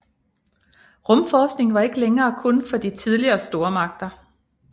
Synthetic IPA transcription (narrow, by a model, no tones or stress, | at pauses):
ʁɔ̽mfɒːsɡ̥ne̝ŋʋɑ̈e̝ɡ̥əleŋɐːkʰɔ̽nfɒ̽d̥it͡sʰiðˠliɐːsd̥o̝ːɐmɑ̈ɡ̥̚d̥ɐ